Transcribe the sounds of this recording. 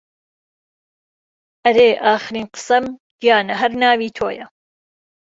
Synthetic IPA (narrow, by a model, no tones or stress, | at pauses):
ʔɐɾeːʔaːxɾiːnqɨ̥sɐmd̪jaːnɐɦɐɾnaːwiːt̪ʰo̰ːjɐ